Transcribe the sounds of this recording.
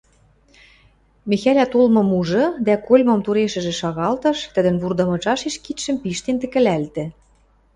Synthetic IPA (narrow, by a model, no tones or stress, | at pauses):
mexælʲæt̪olmɤ̆muʒɤ̆d̪ækolʲmɤ̆mt̪uɾeʃɘ̆ʒĕʃɑɣɑlt̪ɤ̆ʃt̪ə̆d̪ə̆nβurd̪ɤ̆mɤ̆t͡ʃɑʃeʃkit̪ʃɘ̆mpiʃt̪ent̪ɘ̆kɘ̆lælt̪ɘ̆